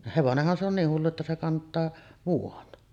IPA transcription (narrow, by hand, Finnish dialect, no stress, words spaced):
heʋonehːɑn se on niːh hulːu etːæ se kɑntˑɑː ʋuon